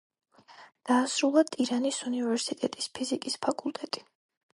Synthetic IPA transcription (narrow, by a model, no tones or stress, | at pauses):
d̪̥aːsɾulˠat̪ʼiɾanisunivɛɾsit̪ʼɛt̪ʼispʰizikʼispʰakʼulˠt̪ʼɛt̪ʼi̥